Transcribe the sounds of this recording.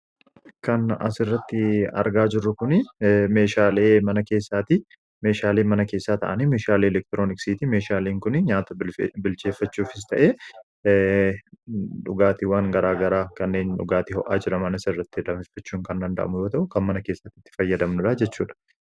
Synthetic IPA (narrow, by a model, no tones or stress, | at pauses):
kɐnɐ̰sɪrːɐt̪ːɪɐ̰ɾɡaːd͡ʒɪrːʊkʊnɪmeːʃaːleːmɐnɐke̞ːsːaːt̪ɪ | meːʃaːleːmɐnɐke̞ːsːaːt̪ɐʔɐniːmeːʃaːleːɛlɛk̚t̪ɪɾo̞ːnɪksiːt̪ime̞ːʃaːleːŋkʊnɪɲaːt̪ɐbɪlt͡ʃeːfːɐt͡ʃːuːfɪst̪ɐʔeː | ᶑʊɡaːt̪ɪwaːŋɡɐɾaːɡɐɾaːkɐnːe̞ːnᶑʊ̰ɡaːt̪ɪɦɔ̰ʔaːd͡ʒɪɾɐmɐnɐsɪrːɐt̪ːɪd̪ɐmɪfːɐt͡ʃːuːŋkɐnd̪ɐnd̪ɐ̰ʔɐ̰mʊjo̞ːt̪ɐʔʊkɐnmɐnɐke̞ːsːɐt̪ːɪt̪ːɪ̥fɐjːɐd̪ɐmnʊᶑad͡ʒɛt͡ʃːuːᶑɐ̥